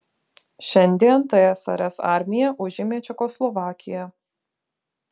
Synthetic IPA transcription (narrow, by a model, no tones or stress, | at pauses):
ʃʲɛnʲd̪ʲiɛnt̪ɐjɛsɐ̰ɾʲɛsɑ̰ˑɾʲmʲɪjɛʔʊʒʲɪmʲeːt͡ʃʲɛkoslˠɔʋɑːkʲɪjɛ